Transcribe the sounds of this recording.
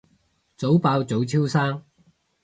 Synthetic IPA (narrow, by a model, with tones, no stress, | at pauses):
t͡so˨˥wpaː˧wt͡so˨˥wt͡sʰiː˥wsaː˥ŋ